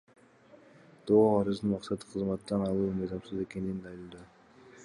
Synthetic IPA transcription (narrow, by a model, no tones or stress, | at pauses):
t̪oɑɾɯzɯnmɑqsɑt̪ɯ̥qʰɯzmɑt̪ːɑnɑlˠuːmɯjzɑmsɯze̞ke̞nind̪ɑjɯlˠd̪ɑ